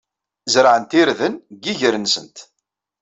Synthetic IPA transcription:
zɾʕənt̪iɾðənɡiʝəɾənsə̰nt̪

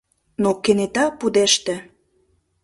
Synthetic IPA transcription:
nokenet̪ɑpud̪eʃt̪ĕ

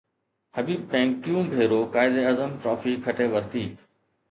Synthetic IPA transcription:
həbiːb̚pɛ̃ːŋk̚ʈjũːmbʱeːɾoːkaːɪd̪eːəzəmʈɾɔːfikʰəʈeːʋəɾt̪iː

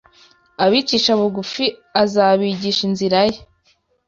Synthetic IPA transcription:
aβiːciːʃaβuɡufiazaβiːɟiːʃinziɾaje

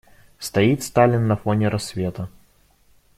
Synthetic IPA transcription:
st̪ɐit̪st̪alʲɪnːɐfonʲɪɾɐsvʲe̞t̪ə

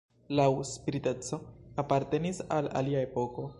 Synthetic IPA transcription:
lawspiɾite̞t͡so̞apaɾte̞nisala̰liae̞po̞ko̞

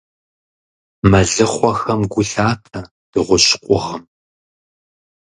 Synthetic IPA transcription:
mɐɮɨχʷɔxɐmɡʷʊɬaːtʰɐ | d̥ɨʁʷʊɕʼqʷʼʊʁəm

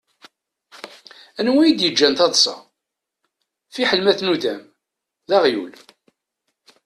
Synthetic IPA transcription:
ænwæjid̪jəd͡ʒːænt̪ɑd̪ˤsˤɑ̰ | fiħəlmæθnuðæm | ðɑʁjṵl

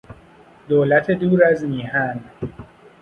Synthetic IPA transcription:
d̪oːlæt̪ʰed̪uːɾæzmiːhæn

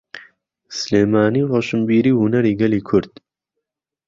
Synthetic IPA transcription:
sleːmaːniːroːʃɨmbiːɾiːhʊnɐɾiːɡɐliːkʰʊɾd̪̥

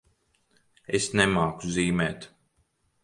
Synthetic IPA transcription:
esnɛmaːkuziːmɛːt̪

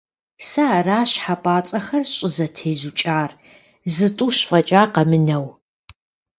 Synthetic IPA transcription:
saraːɕħapʼaːt͡sʼɐxɐrɕʼɪzɐtʰeːzut͡ʃʼaːr | zɨtʼuːɕfʼɐt͡ʃʼaːqɐmɨnɐw

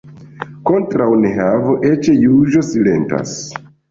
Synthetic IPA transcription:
ko̞ntɾawneɦavoʔet͡ʃejuʒo̞sile̞̰nta̰s

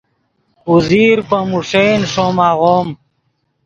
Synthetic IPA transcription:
uziːɾpɐmuʂenʂomaɣom

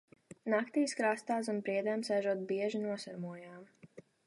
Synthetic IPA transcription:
nakt̪iːskɾast̪aːs̬unpɾiɛd̪ɛmsɛʒuɔt̪̚biɛʒinuɔsaɾmuɔjaːm

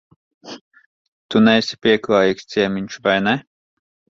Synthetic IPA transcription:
t̪unɛjsʲi̥pʲiɛklˠaːjikst̪sʲiɛmʲiɲʃvajnɛ

